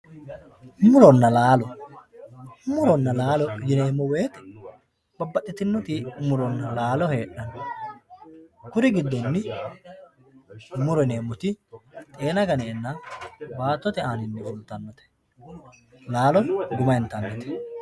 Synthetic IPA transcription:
mʊɾɔnːɐlaːlɔ | mʊɾɔnːɐlaːlɔjɪne̞ːmːɔweːt̪ɛ̥ | b̥ɐbːɐtːɪt̪ɪnːɔt̪ɪmʊɾɔnːɐlaːlɔhe̞ːʔɐnɔ | kʊɾɪɡɪd̪ːɔnːɪ | mʊɾɔne̞ːmːʊt̪ɪt̪ʼe̞ːnɐɡɐneːnːɐbaːt̪ːɔt̪ɛaːnɪnːɛɛnt̪ːɐnːɔt̪ɛ̥ | laːlɔnɡʊmɐjɪnt̪ɐnːɔt̪ɛ̥

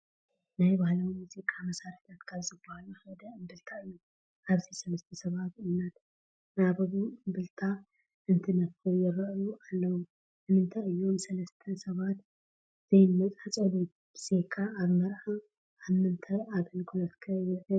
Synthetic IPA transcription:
najbahlɐwnuzikʼːamɐsaɾit̪at̪kʰaβzɨbahaluhɐd̪ɐɨmbɨlt̪ʰaɨjːu | ʔaβzisɐlɐst̪ʰɐsɐβat̪ɨmnɐt̪ | nabɐβuɨmbɨlt̪ʰa | ʔɨnt̪ʰɨnɐffujɪɾɐʔjuʔalːɐwu | ʔɨmɨnt̪ʰaɨjːumsɐlɐst̪ʰɐsɐβat̪ | z̥ɐjnmɐt͡sʼat͡sʼɐlu | bse̞kʰːaaβmɐɾħa | aβmɨnt̪ʰɐʔaβɨnkʰulɐt̪kʰɐjɪɐ

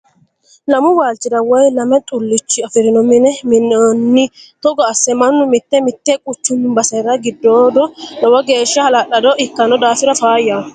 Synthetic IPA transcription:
lɐmʊwaːlt͡ʃːɪd̪ɐwɔjlɐmɛt̪ʼʊlːɪt͡ʃːɪɐfɪɾɪnɔmɪnɛmɪnɔnːɪt̪ɔɡɔɐsːɛmɐnːʊmɪt̪ːɛmɪt̪ːɛkʼʊt͡ʃːʊnːɪbɐsɐɾɐɡɪd̪ːoːd̪ɔdɐwɐɡe̞ːʃːɐhɐlɐɗɐd̪ɔʔɪkːɐnɔd̪aːfɪɾɐfaːjːɐ

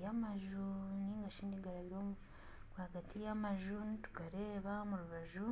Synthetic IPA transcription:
jamaʒuniːŋɡaʃiːndiɡaɾaβiɾomu | kwaɡatijamaʒunitu̥ɡaɾe̞ːβamuɾuβaʒu

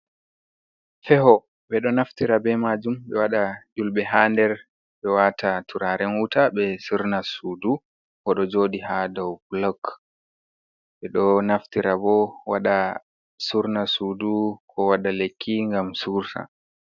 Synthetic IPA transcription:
fɛɦɔ | ɓɛɗɔnaftiɾabɛmad͡ʒumɓɛwaɗad͡ʒulɓɛɦaːndɛɾ | ɓɛwatʰatʰuɾaɾɛnwutaɓɛsuɾnasuːdu | kɔɗɔd͡ʒoːdiɦadɔwblɔk | ɓɛɗɔnaftiɾabɔwaɗa | suɾnasuːdukʰɔwaɗalekʰːiŋɡamsuɾta̰

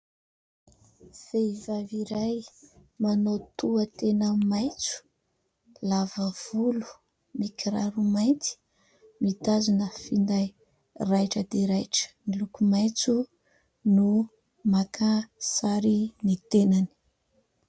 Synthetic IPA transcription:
v̥eivaviɾajmanot̪uət̪enaəmajt͡su̥ | lavəv̥ulu̥ | nikʰɾaɾumaj̪t͡s̪i̥ | mit̪azunəfind̪aj | rajʈ͡ʂəd̪eɾajʈ͡ʂə̥nilukumajt͡su | nu | makasaɾinit̪enani̥

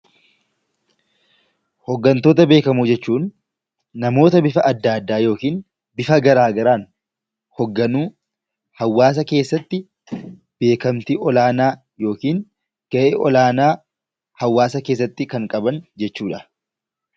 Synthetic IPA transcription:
hɔɡːɐnt̪o̞ːt̪ɐbe̞ːkɐmuːd͡ʒɛt͡ʃːuːnː | ɐmo̞ːt̪ɐbɪfɐʔɐd̪ːaːd̪ːaːjo̞ːkiːn | bɪfɐɡɐɾaːɡɐɾaːn | hɔɡːɐnuː | hɐwːaːs̬ɐke̞ːsːɐt̪ːɪ | b̥e̞ːkɐmt̪iʔɔlaːnaː | jo̞ːkiːn | ɡ̥ɐʔeːʔɔlaːnaː | hɐwːaːsɐke̞ːs̬ːɐt̪ːɪkɐŋkʼɐbɐnd͡ʒɛt͡ʃːuːᶑɐ̥

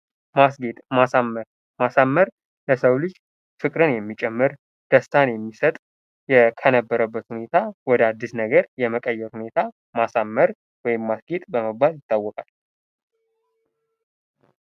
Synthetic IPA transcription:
masɡet̪ʼmasamːəɾ | masamːəɾ | ləsəwlɨd͡ʒ | fɨkʼɾɨnjɛmːit͡ʃʼɛmːɨɾ | d̪̥əst̪ʰanjɛmːisət̪ʼ | jɛkʰənəbːəɾəbːət̪hune̞t̪ʰawɔd̪ad̪ːisnəɡəɾjɛməkʼəjːɛɾhune̞t̪ʰa | masamːəɾ | wɔjɪmːasɡet̪ʼbəməbaljɪt̪ːawːɔkʼal

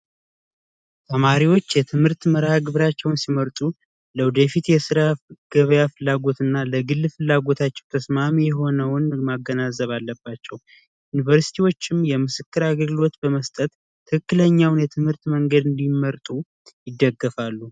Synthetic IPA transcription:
t̪ʰəmaɾiwo̞t͡ʃːjɛt̪ʰɨmhɨɾt̪məɾhaɡɨβɾat͡ʃːɛwnsiməɾt̪ʼu | ləwd̪efit̪jɛsɨɾaɡ̥əβjafɨlːaɡo̞t̪ɨnːaləɡɨlːfɨlːaɡo̞t̪ʰat͡ʃːɛwt̪ʰəsmamijɛɦo̞nəwnmaɡːənazəβalːəbːat͡ʃːɛw | junivəɾsi̥t̪ʰiwo̞t͡ʃːɪmjɛmɨsɨkːɨɾaɡɡɨlo̞t̪bəməst̪ʼət̪ʰː | ɨkʰɨkːɨləɲːawnjɛt̪ʰɨmhɨɾt̪məŋɡəd̪ɨnd̪imːəɾt̪ʼu | jɪd̪ːəɡːəfalːu

